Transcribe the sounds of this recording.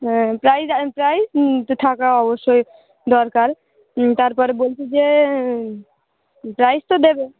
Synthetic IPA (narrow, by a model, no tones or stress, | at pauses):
pɾajspɾajst̪ot̪ʰakaɔboʃːoj | d̪ɔɾkaɾ | t̪aɾpɔɾebolt͡ʃʰid͡ʒe | pɾajst̪od̪ebe